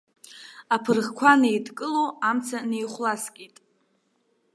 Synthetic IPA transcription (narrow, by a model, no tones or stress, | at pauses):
apʰɨrʁkʷʰanejdʰkʼɨloamt͡sʰanejχʷlaskʲʼitʼ